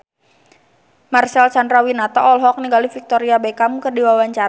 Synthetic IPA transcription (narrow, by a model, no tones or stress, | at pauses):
marsɛlt͡ʃandɾawinat̪aʔɔlɦɔk̚niŋɡalifik̚t̪ɔɾiabekamukərdiwawaɲt͡ʃaɾa